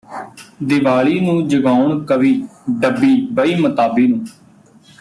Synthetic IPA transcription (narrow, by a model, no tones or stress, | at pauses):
d̪ɪʋaːɭiːnũːd͡ʒəɡaːʊɳkəʋiːɖəbːiːbəiːmət̪aːbiːnũː